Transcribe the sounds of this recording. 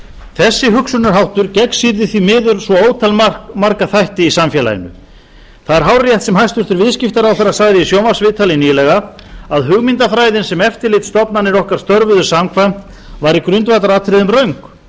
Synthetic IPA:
θɛsːɪɦʏksʏnʏɾɦawht̪ʏɾcɛksiɾðɪθimɪːðʏɾsvɔoːwt̪ʰalmaɾkaθajht̪ɪisamfjɛla̰jɪ̰nʏ̰ | θaðɛɾ̥ɦawɾjɛjht̪sɛmhajst̪ʏɾ̥θɪɾvɪðscɪft̪aɾawθɛɾːasaɣðɪisjowmḁsvɪðt̪ʰalɪnijlɛɣa | aðɦʏɣmint̪afɾaːjðɪnsɛmɛft̪ɪɾlɪt̪st̪ɔpnanːɪɾɔhkaɾ̥st̪œɾvʏðʏɾ̥samkʰvant̪ | vaɾikɾʏnt̪vajt̪aɾaːt̪ʰɾɪðʏmrœɥŋk

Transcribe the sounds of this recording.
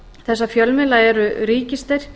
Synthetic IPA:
θɛsːafjœlmɪlaɛɾʏɾiːcɪst̪ɛɾ̥

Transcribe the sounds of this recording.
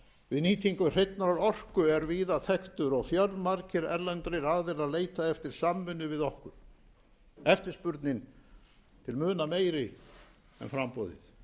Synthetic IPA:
vɪðniːt̪ʰiŋkʏr̥ejt̪naɾaɾɔr̥kʏɛɾviːðaθɛxt̪ʏɾɔɣfjaɾðmaɾcɪɾɛ̰ɾlɛnt̪ɾɪɾaðɪɾaðleːjt̪aɛft̪ɪɾ̥samːʏnːʏvɪðɔhkʏɾ̥ | ɛft̪ɪɾ̥spʏɾt̪nɪn | t̪ʰɪlmʏːnameːjɾɪ | ɛ̰nfɾampɔːðɪ̰θ

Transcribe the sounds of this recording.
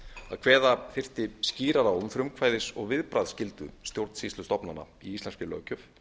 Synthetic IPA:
a̰ðkʰvɛːðafɪr̥t̪ɪsciːɾaɾaʏnfɾʏmkʰvaːjðɪsɔɣvɪðpɾaːðscɪlt̪ʏ̰st̪jowɾt̪n̥sist̪ʏst̪ɔpnanːa̰ | iist̪lɛnscʏlœ̰ːcʏf

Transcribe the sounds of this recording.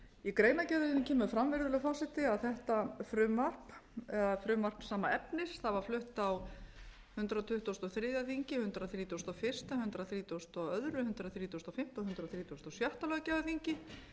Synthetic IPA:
ikɾeːjnacɛðʏncʰɛːmʏfɾamvɪɾðʏlʏfaːsɪt̪ɪaðθɛht̪afɾʏmvar̥paðfɾʏmvar̥psaːmaɛpnɪsθaðvaɾ̥flʏht̪aw | hʏnt̪ɾat̪ʰʏht̪ust̪ɔθɾɪːðjaθiɲcɪhʏnt̪ɾaθɾiːt̪ust̪ɔfɪr̥st̪ahʏnt̪ɾaθɾiːt̪ʰust̪ɔœðɾʏhʏnt̪ɾaðθɾiːt̪ʰuwst̪ɔfɪm̥t̪ɔhʏnt̪ɾaθɾiːt̪ʰust̪ɔsjœht̪alœɣacɛvðaθiɲcɪ

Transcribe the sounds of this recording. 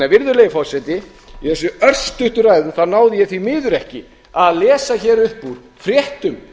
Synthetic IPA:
navɪɾðʏɾleːjvɪfɔsɛt̪ɪ | iθɛsːʏœr̥st̪ʏht̪ʏɾaːjðʏmθaðnaːwðɪjɛθvimɪːðʏɾɛhcɪ | aðlɛːsaçɛːɾʏhpuɾ̥ | fɾjɛht̪ʏm

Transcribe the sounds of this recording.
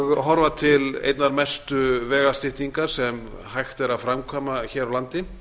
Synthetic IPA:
ɣɦɔɾvat̪ʰɪlḛjt̪naɾmɛst̪ʏvɛːɣast̪ɪht̪niŋkaɾ̥sɛm | hajxt̪ɛɾaðfɾamkʰɔːmaçɛːɾawlant̪ɪ

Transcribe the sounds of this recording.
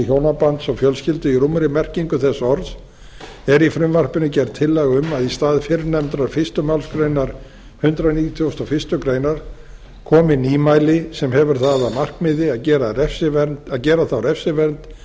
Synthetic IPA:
çjoːwnapant̪sɔɣfjœlscɪlt̪ʏiɾumɾɪmɛr̥ciŋkʏθɛsːaɔɾðs | ɛɾifɾʏmvar̥pɪnʏcɛɾt̪t̪ʰːɪlːɛɣʏmaðist̪aːðfɪɾnɛmt̪ɾaɾfɪst̪ʏmalskɾejnaɾ̥ | hʏnt̪ɾaðniːt̪ʰjowst̪ɔfɪst̪ʏkɾeːjnaɾ̥ | kʰɔːmɪniːmajlɪsɛmhɛvʏɾ̥θaðamar̥kmɪðɪacɛːɾaɾɛfsɪvɛɾnt̪aðcɛːɾaθawɾɛfsɪvɛnnt̪

